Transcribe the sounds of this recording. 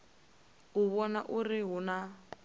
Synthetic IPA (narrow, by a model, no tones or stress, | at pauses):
uβɔnaʔurɪɦʊna